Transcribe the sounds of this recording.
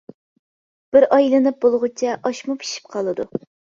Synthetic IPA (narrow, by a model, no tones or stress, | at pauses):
b̥ɪɾʔɑjlˠɨnɨp̚b̥olˠʁʊt͡ʃʰɛʔɑʃmupʰi̥ʃi̥p̚qʰɑlˠɨd̪u